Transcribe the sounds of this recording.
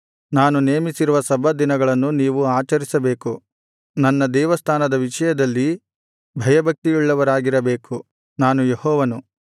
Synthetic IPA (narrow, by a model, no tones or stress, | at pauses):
naːnuneːmisiɾuʋɐsɐbʱɐd̪inɐɡɐɭɐnːuniːʋuaːt͡ʃɐɾisɐbe̞ːku | nɐnːɐd̪ɛːʋɐst̪ʰaːnɐd̪ɐʋiʂɐjɐd̪ɐlːi | bʱɐjɐbʱɐk̚t̪iiɭːɐʋɐɾaːɡiɾɐbeːku | naːnujehɔːʋɐnu